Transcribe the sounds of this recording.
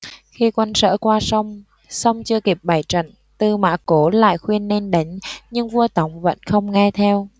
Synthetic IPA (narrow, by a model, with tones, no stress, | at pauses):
xi˧kwa˧nsə̰ː˧˥kwaː˧sə˧wŋ͡m | sa˧wŋ͡mt͡ɕɨ˧əki˨˩p̚ɓa˨˩jt͡ɕə̰˧˨n | t̪ɨ˨˩ma̰ː˧˨˥ko˨˦la̰ː˧˨jxwi˧ənːe˧nɗa˨˦ŋ̟ɲɨ˧ŋvu˧ət̪a˨˦wŋ͡mvə̰˧˥nxə˧wŋ͡mŋɛ˧t̪ʰɛ˧w